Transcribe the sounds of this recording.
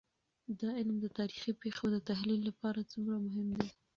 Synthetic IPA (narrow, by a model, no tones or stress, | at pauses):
d̪ɑɪlmd̪ət̪ɑɾixipexod̪ət̪aɦlilːapɑɾat͡sumɾamʊɦɪmd̪e